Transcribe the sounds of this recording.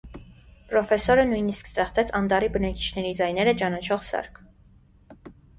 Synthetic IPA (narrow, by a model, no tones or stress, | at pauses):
pɾɔfɛsɔɾənujniskst̪ɛχt͡sɛt͡sʰɑnd̪ɑɾibənɑki̥t͡ʃʰn̪ɛɾid͡zɑjnɛɾət͡ʃɑnɑt͡ʃʰɔʁsɑ̰ɾkʰ